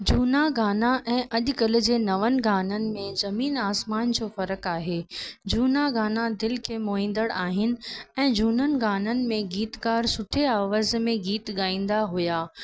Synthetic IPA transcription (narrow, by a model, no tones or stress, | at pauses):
d͡ʑuːnaɡaːnaʔɛ̃ːʔɐʄʊkəl̆d͡ʑeːnɐʋənɪ̆ɡaːnənɪ̆mẽzɐmiːnaːsmaːnd͡ʑoːfɐɾəkaːɦeːd͡ʑuːnaɡaːnad̪ɪlkʰeːmoːĩːnd̪əɽaːɦɪnɪ̆ɛ̃ːd͡ʑuːnənɪ̆ɡaːnənɪ̆mẽɡiːt̪kaːɾsʊʈʰeaːʋaːzmẽɡiːt̪ɠaːĩːn̆d̪aɦʊjaː